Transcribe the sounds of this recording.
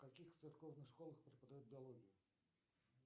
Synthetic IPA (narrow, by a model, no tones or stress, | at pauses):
kakʲixt̪sɨrkɔwnɨxʂkɔlˠɐxpɾɨpɐd̪ajud̪̚ʲbʲɪalˠɔɣʲijʊ